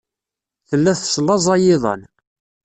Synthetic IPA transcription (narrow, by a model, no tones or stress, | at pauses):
θəlːæθslːɑzˤɑjɪðˤə̰n